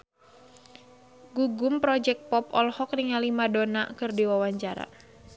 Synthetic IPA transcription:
ɡuɡʊmpɾɔd͡ʒɛk̚pɔpɔlhɔkriŋalimadonakɨrdiwawaɲt͡ʃaɾa̰

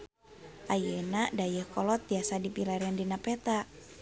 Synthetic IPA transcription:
ʔajənadajəhkɔlɔt̪̚biasadipilaɾəndinapɛt̪a

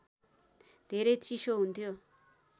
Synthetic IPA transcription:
d̪ʱeɾʌjt͡sisoɦunt̪ʰijo

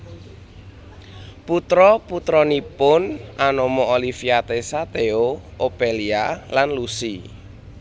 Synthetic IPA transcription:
put̪ɾɔput̪ɾɔnipʊnʔanomoolifiat̪esat̪eoopelialanlusi

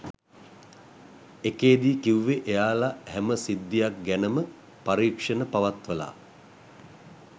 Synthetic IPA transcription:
ekeːd̪iːkiwʋeʔejaːlahɛməsid̪ːijak̚ɡænəmə | paɾiːkʂənəpaʋat̪ʋəla̰ː

